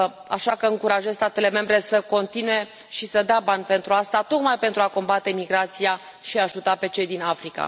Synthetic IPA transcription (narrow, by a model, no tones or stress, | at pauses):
a̰ʃakəɨŋkuɾaʒest̪at̪e̞le̞me̞mbɾe̞səko̞nt̪inuje̞ | ʃisəd̪eabanʲpe̞nt̪ɾuast̪at̪o̞kmajpent̪ɾuako̞mbat̪e̞miɡɾat̪sia | ʃiaʒut̪ape̞t͡ʃe̞jd̪inafɾika̰